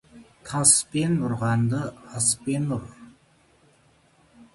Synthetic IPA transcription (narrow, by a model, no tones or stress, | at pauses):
t̪ʰɑspenʊɾʁɑnd̪əɑspenʊɾ